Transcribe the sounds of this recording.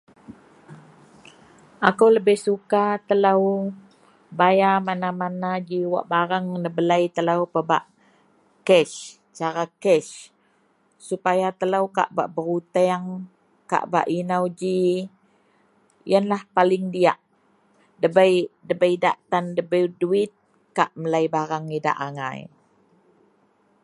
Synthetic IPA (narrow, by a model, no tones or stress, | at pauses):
ʔakəwləbɪhsukat̪əlaw | bajamanamanad͡ʒiwa̰ʔbaɾaŋnəbəlajt̪əlawpəba̰ʔ | kɛs | t͡ʃaɾakɛʃ | supajat̪əlawka̰ʔba̰ʔbəɾut̪ɛŋ | ka̰ʔba̰ʔinawd͡ʒi | jənlahpalɪŋdiaʔ | dəbəjdəbəjdaʔt̪andəbəduɪt̪̚ | kaʔməlajbaɾaŋida̰ʔaŋa̰j